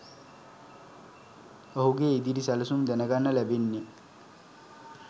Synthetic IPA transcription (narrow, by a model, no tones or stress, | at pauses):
oɦuɡeid̪iɾisæləsumd̪ænəɡanːəlæbenːi